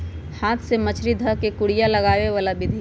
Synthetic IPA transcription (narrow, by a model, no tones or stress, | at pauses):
haːt̪ʰsemət͡ʃʰɾid̪ʱəkekʊɽijalɐɡaːʋeʋaːlabɪd̪ʱi